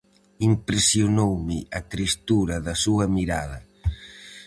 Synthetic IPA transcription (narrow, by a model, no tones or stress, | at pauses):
impɾesjonowmɪɐt̪ɾist̪uɾɐðɐsuɐmiɾaðɐ